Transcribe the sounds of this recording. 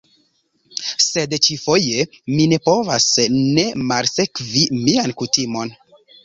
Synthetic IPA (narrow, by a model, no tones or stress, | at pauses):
se̞dt͡ʃifo̞je̞ | mine̞po̞vasne̞malse̞kvimiankutimo̞n